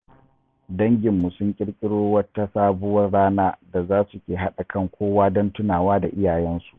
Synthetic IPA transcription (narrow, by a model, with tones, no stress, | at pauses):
dɐ˦ŋɡʲɪ˨mːu˨sʊ˦ŋkʲʼɪ˦ɽkʲʼɪ˦ɽoː˦wɐ˦ta˦saː˦bʊ˦wɐ˦rɽaː˦naː˦da˨zaː˦su˨kʲeː˨ɦa˦ɗa˨kɐ˦ŋkʷʰoː˦waː˦dɔ˦ntʊ˦naː˨waː˦da˨ʔɪ˦jaː˨jɛ˦nsu̥˨ʔ